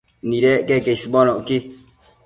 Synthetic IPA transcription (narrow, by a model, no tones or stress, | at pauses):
niɾɛkɛkɛisibɔnɔki